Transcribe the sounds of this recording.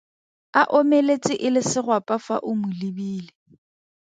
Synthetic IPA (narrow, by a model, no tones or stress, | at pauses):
aʔomelet͡sʼɪʔɪlɪsɪrwapʼafa̰ʔʊmʊlibiːle